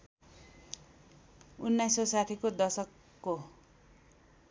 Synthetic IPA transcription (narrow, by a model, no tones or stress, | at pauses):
unːajsʌsat̪ʰikod̪ʌsʌkː | o